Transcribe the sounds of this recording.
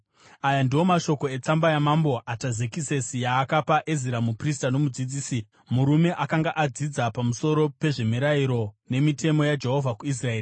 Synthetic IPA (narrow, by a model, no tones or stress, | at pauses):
ajandiwo̞maʃo̞ko̞e̞t͡sambajamambo̞ʔatazekise̞sijaːkapaʔeziɾamupristano̞mud͡zid͡ziːsi | muɾume̞ʔakaŋɡaʔad͡zid͡zapamuso̞ɾo̞pe̞ʐemiɾaiɾo̞ne̞mitʰe̞mo̞jad͡ʒe̞ɦo̞vʱakuis̬rae̞ːri